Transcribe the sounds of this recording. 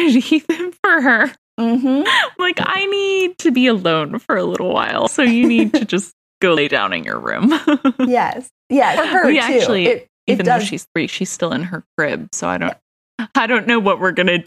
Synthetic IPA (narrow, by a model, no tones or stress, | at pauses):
ɪɾiiθɪ̃ŋfə˞ə˞ | m̩m̥m̩laɪka̰ɪnid̚tʰɨbiɨlõʊ̃nfə˞əlɪ̰ɾl̩ˠwa̰ɪlˠsoʊjɨnid̚tʰɨd͡ʒʌs | ɡ̥oʊeɪdã̰ʊ̃nɨ̰̃njə̰˞ɹʉ̰̃mjɛ̰s | jɛəwiæk̚t͡ʃʉl̩ˠi | iṽnðoʊʃiz̥θɹiʃiz̥stɪlˠə̃nə˞kʰɹ̥ɪ̰bsoʊaɪɾõʊ̃n | aɪɾõʊ̃nːoʊwʌt̚wɨɹɡʌnɨ